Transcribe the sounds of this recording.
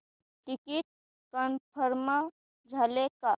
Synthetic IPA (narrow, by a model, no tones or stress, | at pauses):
ʈɪkiʈ̚ | kənpʰəɾma | d͡ʒʱɐleka